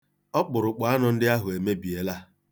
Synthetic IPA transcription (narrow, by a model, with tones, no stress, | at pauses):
ɔ˦k͡pʊ˨ɾʊ˨k͡pa˨a˦nɔ˨n̩˦dɪ˦a˦ɦʊ˨e˨me˦bi˨e˨la˦